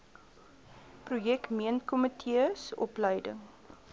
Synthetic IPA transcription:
prujɛkmiənkɔmətʰiəsɔ̰pləjdəŋ

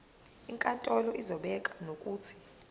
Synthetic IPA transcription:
iŋkʼantʼɔlɔʔizɔɓɛkʼanokʼuːtʰi̥

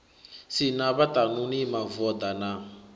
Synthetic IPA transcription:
sinaβat̪anunimavɔd̪ana

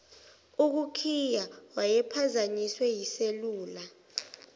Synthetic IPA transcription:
uk̬ukʰijawajɛpʰazaɲiswɛjiseluːla

